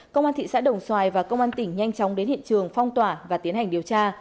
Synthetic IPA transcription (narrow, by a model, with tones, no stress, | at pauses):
kə˧wŋ͡mʔaː˧nt̪ʰḭ˧˨sa̰ː˧˥ɗə˨˩wŋ͡mswaː˨˩jvaː˨˩kə˧wŋ͡mʔaː˧nt̪ï˧˩ŋ̟ɲa˧jŋ̟t͡ɕɔ˨˦wŋ͡mɗe˨˦nhḭ˧˨ənt͡ɕɨ˨˩əŋfɔ˧wŋ͡mt̪waː˧˩vaː˨˩t̪i˨˦ənha˨˩jŋɗi˨˩əwt͡ɕaː˧